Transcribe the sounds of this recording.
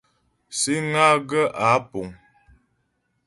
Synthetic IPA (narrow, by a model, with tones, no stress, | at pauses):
si˦ŋa˦ɡə˦ʔa˨˦po˨ŋ